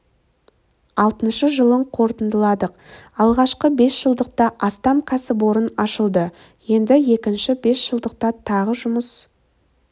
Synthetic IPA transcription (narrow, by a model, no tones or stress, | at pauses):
ɑlˠt̪ənʃəʒəlˠəɴqʰo̞ɾt̪ənd̪əlˠɑd̪əq̚ɑlˠʁɑʃqəbe̞sʒəlˠd̪əq̚t̪ɑʔɑst̪ɑmkʲʰæsɪboɾənɑʃəlˠd̪ə | je̞nd̪ɪje̞kʲɪnʃɪbe̞sʒ̥əlˠd̪əq̚t̪ɑt̪ʰɑʁəʒʊməs